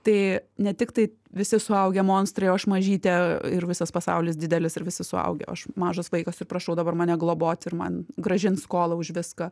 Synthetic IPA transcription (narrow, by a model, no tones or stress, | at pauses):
t̪ɐɪnʲɛt̪ʲɪkt̪ɐɪ | ʋʲɪsʲɪsʊɐʊɡʲɛmoːnst̪ɾɐjoːɐʃmɐʒʲiːt̪ʲɛɪɾʋʲɪsɐspɐsɐ̰ʊlʲɪs̬dʲɪd̪ʲɛlʲɪsɪɾʋʲɪsʲɪsʊɐ̰ʊɡʲɛ̰ɐʃmɑːʒɐsʋɐɪkɐsɪrprɐʃɐʊd̪ɐbɐrmɐːnʲɛɡlˠoːboːt̪ʲɪrmɐ̰nɡɾɐʒʲɪnskoːlˠɐʊʒʲʋʲɪskɐ